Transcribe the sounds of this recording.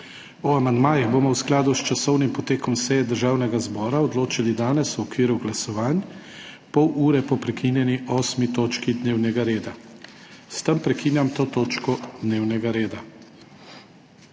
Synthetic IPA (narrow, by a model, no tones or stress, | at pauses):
ɔamand̪maːjiɣboːmɔwsklaːd̪ust͡ʃasɔwnimpɔt̪eːkɔmsɛjɛd̪əɾʒaːwnɛɡazbɔːɾaɔd̪loːt͡ʃilid̪aːnɛswɔkʋiːɾuɡlasɔʋaːn | pɔwuːɾɛpɔpɾɛkiːnjɛniɔːsmit̪oːt͡ʃkid̪neːwnɛɡaɾeːd̪a | st̪əmpɾɛkiːnjamt̪oːt̪oːt͡ʃkɔd̪neːwnɛɡaɾeːd̪a